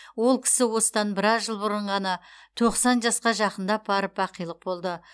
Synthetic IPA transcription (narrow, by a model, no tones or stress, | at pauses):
wo̞lˠkʲʰɪ̥sɪwo̞sə̥d̪ɑnbɪɾɑzʒəlˠbʊɾəɴʁɑnɑt̪ʰo̞qsɑnʒɑsqɑʒɑqənd̪ɑbɑɾəpɑqijlˠəq̚bo̞lˠd̪ə